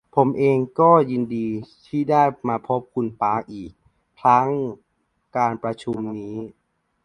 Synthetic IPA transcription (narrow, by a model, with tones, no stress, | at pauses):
pʰo˩˦mʔeː˧ŋkɔː˥˩jiː˧ndiː˧t̪ʰiː˥˩daː˥˩jmaː˧pʰo˦˥p̚kʰu˧npaː˦˧˥k̚ʔiː˨˩k̚ | pʰɾa˦˥ŋ | kaː˧npɾa˧t͡ɕʰu˧mniː˦˥